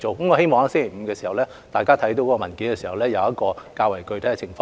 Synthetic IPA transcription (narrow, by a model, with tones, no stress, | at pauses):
t͡so˨wkɐ˨˦mŋɔ˨˧ɦe˥jmɔ˨ŋhaː˨˥sɪ˥ŋkʰe˨˩m̩ː˨˧kɛː˧siː˨˩hɐ˨˩wlɛː˥ | t̪aː˨jkaː˥t̪ʰɐ˨˥jt̪o˧wkɔː˧˥kɔ˧mɐ˨˩nki˨˥nkɛː˧siː˨˩hɐ˨˩wlɛː˥jɐ˨˧wjɐ˥t̚kɔː˧kaː˧wɐ˨˩jkɵ˧ɥt̪ʰɐ˨˥ɛ˧t͡sʰɪ˨˩ŋfɔː˧